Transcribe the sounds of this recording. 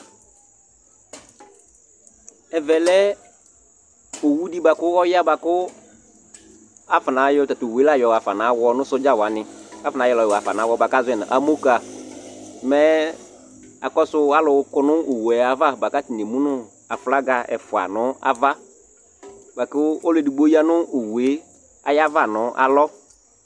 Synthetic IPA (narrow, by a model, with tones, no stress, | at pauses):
ɛ˨vɛ˨lɛ˦ | o˨wu˦di˦ba˨kʊ˦ɔ˦ja˦ba˨kʊ˦ | a˦fa˨na˨˦jɔ˦ta˨tʊ˨wla˦˨jɔ˨a˨fa˨na˨˦wɔ˦nʊ̃˦sʊ˦d͡ʒa˦˨wa˨nɪ̃˦a˨fna˨˦jɔ˦lɔ˨jɔ˨a˨fa̰˨na˨˦wɔ˦ba˨ka˦zʊ˦ɛ˨nã̰˨ʔa˨mo˦ka˨ | mɛ˦ | a̰˨kɔ˦sʊ˦a˦lʊ˨˦kʊ˦nʊ˦o˨wɛ˨a˨va˦ba˨ka˦ti˨ne˨mũ˦nʊ˦ | a˨fla˦ɡa˨ɛ̰˨fʊ˨a̰˨nʊ˦a̰˨va˦ | ba˨kʊ˦ɔ˦le˦˨di˨ɡ͡bo˦ja˦nʊ˦o˨we˦ | a˨ja˦va˨nʊ̃˦ʔa̰˨lɔ˦